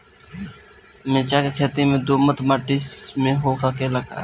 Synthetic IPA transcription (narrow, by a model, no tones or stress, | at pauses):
mẽːt͡ʃaːkekʰeːt̪iːmẽːd̪oːmət̪maːʈismẽːɦoːkakeːlaka̰ː